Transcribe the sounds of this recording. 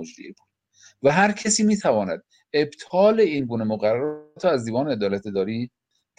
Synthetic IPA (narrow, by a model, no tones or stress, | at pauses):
od͡ʒdḭekon | væɦæɾcʰesiːmiːt̪ʰævɒːnæd̪̥̚ | e̞bt̪ʰɒːle̞iːnɡuːnemoɣæɾræt̪ʰoæzd̪iːvɒːneed̪ɒːlæt̪ʰed̪ɒːɾiː | d̪